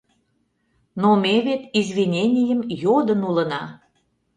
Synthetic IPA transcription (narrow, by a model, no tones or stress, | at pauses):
nomʲeβet̪izβʲinʲenʲijə̆mjod̪ənulə̆nɑ